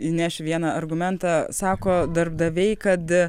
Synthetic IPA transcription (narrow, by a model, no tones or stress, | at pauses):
inʲæːʃʲɪʋʲiɛnɑɐrɡʊmʲɛnt̪ɑsɑːkoːd̪ɐrb̚d̪ɐʋʲɛɪkɐt̪